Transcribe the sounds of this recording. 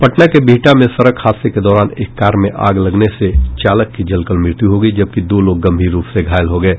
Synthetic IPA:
pɐʈnakebʱiːʈamẽsɐɾəkhaːseked̪ɔːɾaːnḛːkːaːɾmẽʔa̰ːɡlɐɡneset͡ʃaːləkːid͡ʒɐlkəlmɪɾt̪iɦoːɡəid͡ʒɐb̚kid̪oːloːɡːɐ̃mbʱiːɾːuːpʰseɡʱaːjəlɦoɡəeː

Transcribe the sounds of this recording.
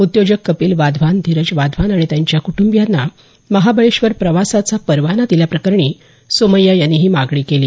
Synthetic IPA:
ut̪jod͡ʑəkːəpiːlʋad̪ʱʋand̪ʱiɾəd͡ʑʋad̪ʱʋanaɽ̃it̪jaɲt͡ɕjakuʈumbjanːa | məɦabəɭeɕʋəɾpɾəʋasat͡sapəɾʋanad̪ilapɾəkəɾɳiː | soməjajanːiɦiːmaɡɽiːkeliː

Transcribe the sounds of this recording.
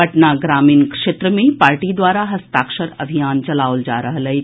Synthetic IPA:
ɐʈnaɡɾaːmiːnkʂet̪ɾəmẽpaːɾʈid̪waːɾaɦɐst̪aːkʃəɾɐbʱijaːnt͡ʃɐlaːʋld͡ʒa̰ːɾɐɦlɐe

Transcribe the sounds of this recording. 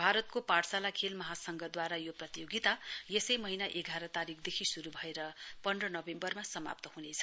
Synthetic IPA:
bʱaɾʌt̪̚kopaɽsalakʰelmʌɦasʌŋɡʌd̪waɾajoprʌt̪ijoɡit̪ajesʌjmʌɦinaʔeɡʱaɾʌt̪aɾikʰd̪ekʰisuɾubʱʌeɾʌpʌnrʌnʌbembʌrmasʌma̰p̚t̪ʌhunet͡sʰʌ̥

